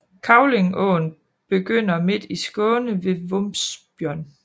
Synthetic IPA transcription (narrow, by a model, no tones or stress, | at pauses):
kʰɑ̈ʊle̝ŋɔ̰ːn | b̥e̝ɡ̥øn̰ɐme̝d̥isɡ̥ɔ̽ːnəʋe̝ʋɔmsb̥jɶɐ̰n